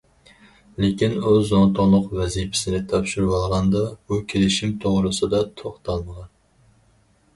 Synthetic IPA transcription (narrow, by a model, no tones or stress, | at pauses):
lekʲinuzont̪ʰoŋlˠʊqvɛzipʰɪ̥sɪnɪt̪ʰɑpʃiɾwɑlˠʁɑnd̪ɑb̥ukʲʰelɪʃimt̪ʰoʁɾɨsɨd̪ɑt̪ʰoχt̪ʰɑlˠməʁɑn